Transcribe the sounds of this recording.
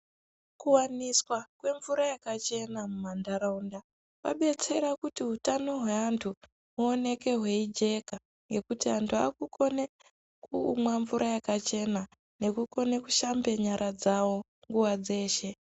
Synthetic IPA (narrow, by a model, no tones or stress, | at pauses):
kuwaniswakwe̞ɱvuɾajakat͡ʃe̞namumandaɾaunda | wa̰ɓe̞t͡se̞ɾakutiɦutano̞ɦweantʰu | muone̞ke̞ɦwe̞id͡ʒe̞ka | ŋɡe̞kutiantʰua̰kukʰo̞ne | kumwaɱvuɾʔajakat͡ʃe̞na | ne̞kuko̞ne̞kuʃambe̞ɲaɾʔad͡zawo̞ | ŋɡuwad͡ze̞ːʃe̞